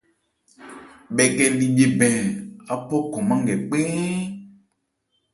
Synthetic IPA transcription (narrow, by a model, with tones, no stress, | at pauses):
bɛ˨kɛ˨li˨ɡ͡be˨bɛ̃˨a˨pɔ˦kɔ̃˨mã˦ŋɡɛ˨k͡pe˦